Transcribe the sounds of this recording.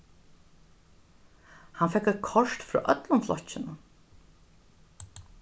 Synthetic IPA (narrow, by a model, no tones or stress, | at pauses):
hanfɛkːɛt̪̚kʰɔʂt̪fɾɔ̰ːʔœt̪lʊnflɔ̰ht͡ɕːɪnʊn